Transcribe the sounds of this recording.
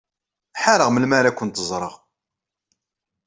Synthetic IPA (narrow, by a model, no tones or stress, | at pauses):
ħaɾəʁməlmaɾækʷːənt̪əzˤɾˤə̰ʁ